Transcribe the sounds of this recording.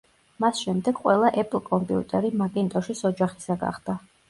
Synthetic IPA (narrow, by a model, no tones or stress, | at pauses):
masʃɛmd̪ɛɡ̥qʼwɛlˠaʔɛpʼl̩ˠkʼɔmpʼiṵt̪ʼɛɾimaɡʼɛnt̪ʼɔʃisɔd͡ʒaχi̥saɡa̰χd̪a